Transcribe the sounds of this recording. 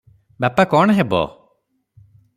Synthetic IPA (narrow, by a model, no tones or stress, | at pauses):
bapakɔɳ̃ɦebɔ̰